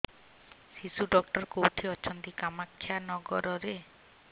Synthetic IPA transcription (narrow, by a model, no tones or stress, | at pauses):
sisuɖɔkʈɔɾkowʈʰiɔt͡ʃʰɔnt̪ikamakʰːjanɔɡɔɾɔɾe